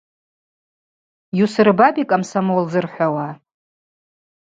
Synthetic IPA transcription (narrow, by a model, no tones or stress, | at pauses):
jusɨrbabikʼamsamolzɨrħʷawa